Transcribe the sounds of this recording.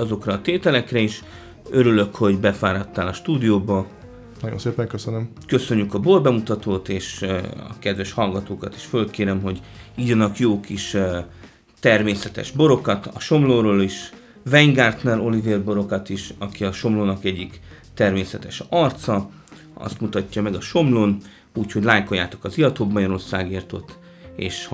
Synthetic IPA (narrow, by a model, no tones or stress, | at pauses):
ɒzo̞krɒːt̪eːt̪ɛlɛkrɛiːʃ | ø̞ɾylø̞kho̞ɟbɛfaːɾɒt̪ːaːlɒʃt̪uːd̪ijoːbɒ | nɒɟjo̰nseːpɛŋkøsønøm | kø̞sø̞ɲːykɒborbɛmut̪ɒt̪oːt̪eːʃɒ̰kɛd̪ʋɛʃhɒlɡɒt̪oːkɒt̪i̥ʃfølkeːɾɛmɦo̞ɟiɟɒnɒkjoːkiʃ | t̪ɛrmeːsɛt̪ɛ̰ʒbo̞ɾo̞kɒt̪ɒ̰ʃo̞mloːɾoːliʃ | vɛŋɡart̪nɛɾo̞liveːrbo̞ɾo̞kɒt̪iʃɒkiɒʃo̞mloːnɒkɛɟːik | t̪ɛrmeːsɛt̪ɛʃɒrt̪sɒ | ɒ̰st̪mut̪ɒcːɒmɛɡɒʃo̞mloːn | uːcho̞ɟlaːjko̞jːaːt̪o̞̥kɒziɒt̪oːbmɒɟɒɾo̞rsaːɡeːrt̪o̞t̪ː | ḛːʃ